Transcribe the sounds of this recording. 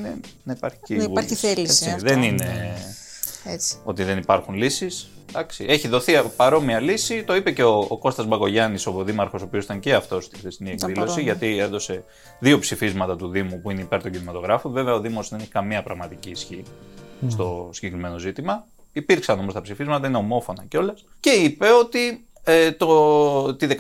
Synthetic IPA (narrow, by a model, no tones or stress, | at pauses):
nenipɐɾçi̥civɐɾçelesiðenine | et͡si̥o̞t̪iðe̞nipɐɾxunlisis | d̪ɐksie̞çiðo̞θiɐpɐɾo̞miɐlisit̪o̞ipe̞ce̞oːko̞st̪ɐzbɐɣo̞ʝɐnisoðimɐɾxo̞soopiosit̪ɐŋce̞ɐft̪o̞st̪i̥xɾest̪iniekðillo̞siʝɐt̪ienðo̞se̞ | ðio̞psifizmɐt̪ɐt̪uðimupuine̞ipe̞ɾt̪oɟinimɐt̪o̞ɣɾɐfove̞veɐo̞ðimo̞szðeneçikɐmiɐpɾɐɣmɐt̪iciːsçist̪o̞siɟekɾime̞no̞zit̪imɐ | ipiɾksɐno̞most̪ɐpsifizmɐt̪ɐine̞omo̞fo̞nɐceo̞lɐsce̞ipe̞o̞t̪i | et̪ot̪iðe